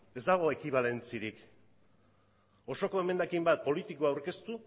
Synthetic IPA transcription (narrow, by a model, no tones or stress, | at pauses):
e̞zd̪aɣ̞o̞e̞kiβ̞ale̞nt͡siɾik | o̞so̞ko̞e̞me̞nd̪akimbat̪̚po̞lit̪ikoawɾke̞st̪u